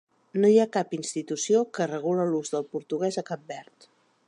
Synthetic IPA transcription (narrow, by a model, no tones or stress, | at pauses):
nojakapinst̪it̪usiokərəɣ̞uləluzðəlˠpuɾt̪uɣ̞ɛzəkap̚bɛɾt̪